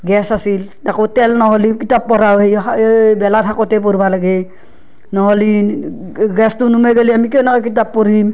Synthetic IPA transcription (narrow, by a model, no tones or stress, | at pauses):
ɡɛsasildakotɛlnɔɦolikitapːɔɾawɦejbɛlatʰakɔtɛp̬oɾbalaɡe | nɔɦoli | ɡɛstʊnumeɡeliamikɛwnakak̬it̬apːoɾim